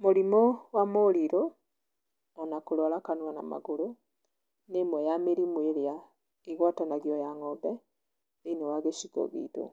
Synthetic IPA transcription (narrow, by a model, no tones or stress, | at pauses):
moɾimowamoliɾo | nanakolwɔlakanwana̰ma̰ɣoɾo | nemwɛjameɾimweɾja | iɣwatanaɣjɔjaŋɔbɛ | enewaɣeʃikɔ̰ɣḭto̰